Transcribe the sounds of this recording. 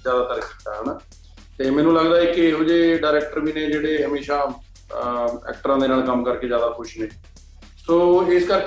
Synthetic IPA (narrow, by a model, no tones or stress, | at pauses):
zjaːd̪aːt̪əɾkit̪ːa̰ːɦɛnaː | t̪eːmɛ̃ːnũːləɡd̪aːɛkɪɦoːd͡ʒeːɖaːɾɛːk̚ʈəɾʋiːneːd͡ʒeːɽeːɦəmeːʃaː | ɛ̰ːk̚ʈəɾãːd̪eːnaːlkəmkəɾkeːd͡ʒjaːd̪aːkʰʊʃneː | soːɪskəɾ